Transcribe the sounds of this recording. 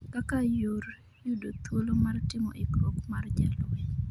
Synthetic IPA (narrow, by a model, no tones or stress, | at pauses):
kakajor | jʊdot̪wolomartɪmɔ̰ʔikɔkmard͡ʒɛlwɛ